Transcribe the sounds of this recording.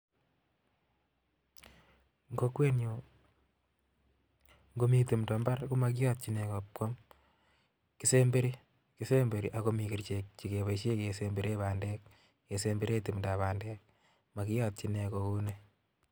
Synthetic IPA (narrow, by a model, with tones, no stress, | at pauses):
ŋɡo˦kwe˦nu˨ | ŋɡo˦mi˨ti˨mdɔ˨mba˦rku˦ma˨kɪ˦jɔ˦t̚t͡ʃi˦nekɔ˨p̚kɔ˦m | ki˦se˦mbe˦ɾi˦ | ki˦se˦mbe˨ɾi˨ʔa˦ko˦mi˨ki˨ɾt͡ʃek̚t͡ʃi˨ke˨βa˨ʃe˦kesembe˦ɾe˦βaː˨ndɛ˦k̚ | e˨se˦mbe˦ɾe˦ti˨mda˨βaː˨ndɛ˦k̚ | ma˨kɪ˦jɔt̚t͡ʃi˨ne˨kɔ˨ku˦ne